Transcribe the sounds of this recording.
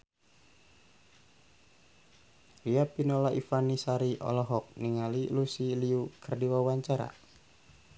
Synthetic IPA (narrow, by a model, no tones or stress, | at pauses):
liapinɔlaʔifanisaɾiʔɔ̰lɔɦɔk̚niŋalilusiliukərdiwawaɲt͡ʃaɾa̰